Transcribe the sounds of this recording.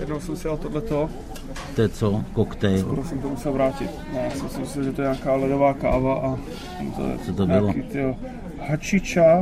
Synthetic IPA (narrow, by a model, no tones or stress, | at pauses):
jɛdnowsɛmsɛalt̪odlɛt̪o | t̪ɛɛt͡sokokt̪ɛjpɾosimt̪omusɛlvɾaːcɪt̪njjaːsmɪsɪmɪsɪmʒɛt̪oɛɲaːkaːlɛdovaːka̰ːvaʔa̰ | mt̪o̰ɛ̰t͡sot̪obɪloit̪ɪ | hat͡ʃɪt͡ʃa